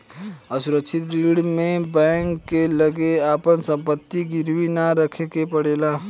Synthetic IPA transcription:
əsʊɾəkʃʰɪt̪ɾiːɽmẽbɛ̃ːŋkːeləɡeaːpənsə̃mpət̪ːiɡɪɾwinaɾəkʰekepəɽeːlaː

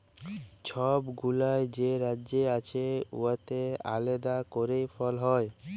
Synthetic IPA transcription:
t͡ɕʰɔbɡulaed͡ʑeɾadːd͡ʑeat͡ɕʰeṵat̪ea̰led̪akoɾejfɔlɦɔe

